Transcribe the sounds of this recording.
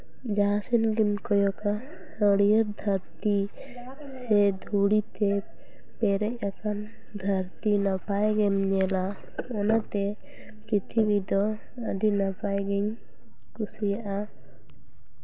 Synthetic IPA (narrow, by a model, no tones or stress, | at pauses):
d͡ʒasɛnɡinkɔjɔka | həɽijəɾd̪ʱəɾt̪i | sɛd̪ʱuɽit̪ɛ | pɛɾɛc̚ˀakan | d̪ʱəɾt̪inapajɡɛmɲɛla | ɔnat̪ɛ | pɾit̪ʰibid̪ɔ | əɖinapajɡɛɲ | kusijaʔa